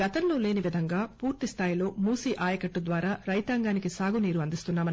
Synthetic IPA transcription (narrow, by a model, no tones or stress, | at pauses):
ɡɐt̪ɐnloːle̞ːniʋid̪ʱɐŋɡaːpuːɾt̪ist̪ʰaːjilo̞ːmuːsiːʔaːjɐkɐʈːud̪ʋaːɾaːɾɐjt̪aːŋɡaːnikisaːɡuniːɾuɐnd̪ist̪unːaːmɐn